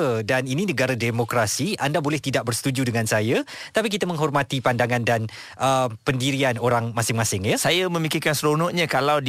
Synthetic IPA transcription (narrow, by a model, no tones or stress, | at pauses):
danininəɡaɾademokɾasiʔandabolɛht̪idaʔ̚bərsə̥t̪ud͡ʒudəŋansaja | t̪apik̬it̪amə̃ŋɦɔrmat̪ipandaŋandan | ʔəpəndiɾianoɾaŋmasɪŋmasɪŋjəsajamə̃mikɪrkansɾonɔʔɲãkalaw